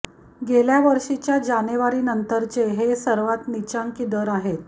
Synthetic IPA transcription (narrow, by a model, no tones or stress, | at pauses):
ɡeljaʋəɾʂit͡ɕjad͡ʑaneʋaɾiːnənt̪əɾt͡ɕeɦesəɾʋat̪nit͡ɕaŋkid̪əɾaɦet̪̚